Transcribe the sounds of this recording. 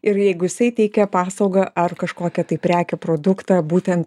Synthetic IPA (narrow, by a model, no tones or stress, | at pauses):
ɪɾjɛɪɡʊjɪsɐɪt̪ʲɛɪkʲɛpɑːsɐʊɡɐʔɐrkɐʃkoːkʲɛt̪ɐɪpʲɾʲæːkʲɛpɾoːd̪ʊkt̪ɑːbuːt̪ʲɛnt̪